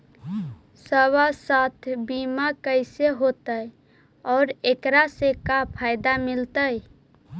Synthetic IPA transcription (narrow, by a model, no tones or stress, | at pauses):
səβasat̪ʰbimakəɪseɦot̪əj | ɔːɾekɾasekapʰaɪd̪amilt̪əj